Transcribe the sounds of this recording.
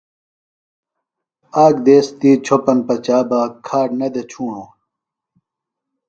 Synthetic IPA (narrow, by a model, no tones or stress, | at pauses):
aːɡd̪eːst̪iːt͡ɕʰopɐnpɐt͡ɕaːbaːkʰaːɽnɐd̪et͡ɕʰuːɳõː